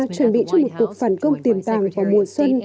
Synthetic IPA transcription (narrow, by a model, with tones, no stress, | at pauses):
t͡ɕwə˧˩nɓḭ˧˨t͡ɕɔ˧ŋ͡mmo˨˩t̚ku˨˩ək̚faː˧˩nkə˧wŋ͡mt̪i˨˩əmt̪aː˧˩ŋvaː˨˩mu˧˩əjswə˧n